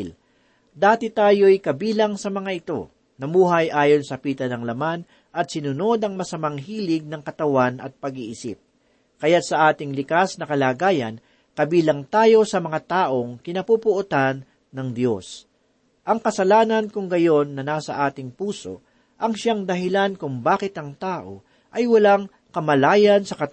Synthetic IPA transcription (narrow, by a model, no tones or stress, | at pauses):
l | d̪aːt̪ɪt̪aːjo̞jkɐbiːlɐŋsɐmɐŋaʔɪt̪o̞̰ | nɐmuːɦɐjʔaːjo̞nsɐpiːt̪ɐnɐŋlɐman | ʔɐt̪̚sɪnʊno̞d̪ɐŋmɐsɐmaŋɦiːlɪɡ̚nɐŋkɐt̪ɐwanɐ̰t̪̚pɐɡiːʔɪsɪ̰p̚ | kɐjat̪sɐʔaːt̪ɪŋlɪkasnɐkɐlaːɡaːjɐ̰n | kɐbiːlɐŋt̪aːjo̞sɐmɐŋat̪aːʔo̞ŋkɪnɐpupʊʔʊt̪anː | ɐŋd̪jo̞s | ʔɐŋkɐsɐlaːnɐnkʊŋɡɐjo̞nːɐnaːsɐ̰ʔaːt̪ɪŋpuːso̞̰ | ʔɐŋʃaŋd̪ɐɦɪlankʊŋbaːkɪt̪ɐŋt̪aːʔo̞̰ | ʔɐjwɐlaŋ | kɐmɐlaːjɐnsɐkɐt̪